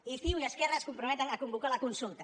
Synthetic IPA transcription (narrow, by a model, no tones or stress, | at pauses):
ifiwujeskɛraskumpɾumɛt̪ənakumbukalakunsulˠt̪a